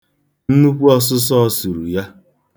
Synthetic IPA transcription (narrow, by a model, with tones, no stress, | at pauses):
n̩˦nu˦kʷu˦ɔ˦s̬ʊ˦s̬ɔ˦su˨ɾu˨ja˦